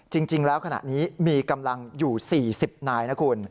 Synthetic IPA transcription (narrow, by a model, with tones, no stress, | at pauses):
t͡ɕi˧ŋt͡ɕi˧ŋlɛː˦˥wkʰa˧na̰˨˩niː˦˥miː˧ka˧mla˧ŋjuː˨˩siː˨˩si˨˩p̚naː˧jtna˦˥kʰuː˧n